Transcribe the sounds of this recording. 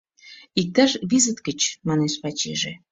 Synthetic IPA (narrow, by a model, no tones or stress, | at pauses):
ik̚t̪aʒβizət̪kət͡ɕmɑneʃpɑt͡ɕḛʒe